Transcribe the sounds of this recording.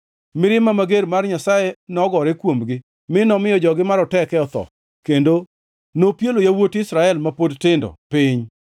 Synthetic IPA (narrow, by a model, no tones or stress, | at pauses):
mɪɾɪmamaɡeɾmarɲasajenɔɡɔɾɛkwomɡɪ | mɪnɔmɪjɔd͡ʒɔɡɪmaɾɔtɛkɛɔt̪ɔ̰ | kendo | nopjelojawotɪsɾaɛlmapodtɪndɔ̰pɪɲ